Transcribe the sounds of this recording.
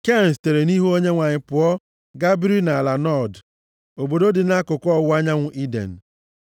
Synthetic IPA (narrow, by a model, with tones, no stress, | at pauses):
ke˦˨n˨ste˨ɾe˨ni˦ɦu˦o˦ɲe˦ŋʷa˨ɲɪ˨pʊ˨ɔ˦ | ɡa˦bɾi˦na˨la˨nɔ˦˨d | o˨bo˨do˦dɪ˨na˦kʊ˨kɔ˦˨wʊ˦a˦ɲa˦ŋʷʊ˨ʔi˦dḛ˨n̩˨